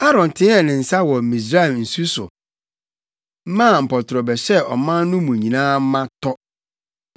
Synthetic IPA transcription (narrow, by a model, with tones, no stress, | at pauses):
a˦ɾɔ̃˨n˨tʰɪ̃˦ɛ˨nɪ̃˨n̩˨sa˦wɔ˨m̩˨mĩ˨s̬ɾa˦ɛ˨n̩˨su˦sʊ̰˨ | m̩˦mã˦˨m̩˨pʰɔ˨tʰɾɔ˨bɛ˨sɛ˦ɔ̰˨mã˦n˦nʊ̃˦mũ˨ɲĩ˨nãː˦m̩˦mã˦tʰɔ˦